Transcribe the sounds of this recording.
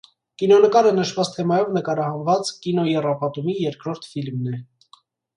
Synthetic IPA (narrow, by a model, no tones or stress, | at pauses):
kinɔnəkɑɾənəʃvɑt͡st̪ʰɛmɑjɔvnəkɑɾɑhɑnvɑt͡skinɔjɛrɑpɑt̪umijɛɾkɾɔɾt̪ʰfilmnɛ